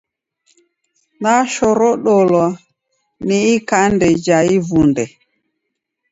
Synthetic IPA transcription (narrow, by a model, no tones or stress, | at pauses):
naʃɔɾɔɗɔlɔ | niikandɛd͡ʒaivundɛ